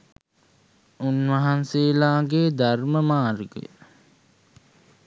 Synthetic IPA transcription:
unʋaɦanseːlaːɡeːd̪arməmaːrɡḛ

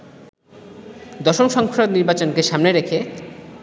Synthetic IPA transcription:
d̪ɔʃomʃɔŋkʰɾod̪niɾbat͡ɕonkeʃamneɾekʰe

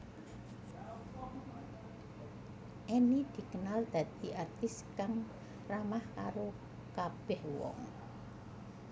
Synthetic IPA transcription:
ʔenid̪̥i̤kənald̪̥ä̤d̪̥i̤ʔart̪ɪskaŋ | ramahka̰ɾo | kab̥ɛhwɔ̰ŋ

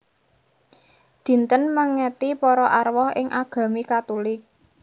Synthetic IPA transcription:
d̪̥i̤nt̪ənməŋːɛt̪ipɔɾɔʔarwɔhɪ̰ŋʔaɡ̥ä̤mikat̪ulɪk̚

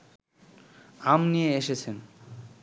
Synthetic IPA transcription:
amnijeeʃet͡ɕʰen

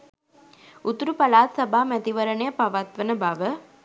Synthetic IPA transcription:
ut̪uɾupɐlaːt̪sɐbʱaːmæt̪iʋɐɾəɳəjəpɐʋat̪ʋənəbaʋə

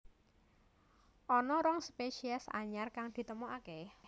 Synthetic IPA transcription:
ʔɔnɔɾɔŋspeʃiɛsa̰ɲarkaŋd̪̥i̤t̪əmuʔake

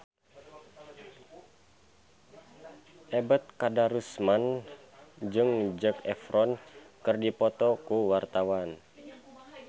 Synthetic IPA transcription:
ʔɛbət̪̚kadaɾusman | d͡ʒɨŋd͡ʒəkɛfɾɔnkɨrdipɔt̪ɔkuwart̪awan

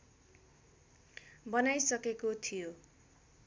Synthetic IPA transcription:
bʌnajsʌkekot̪ʰijo

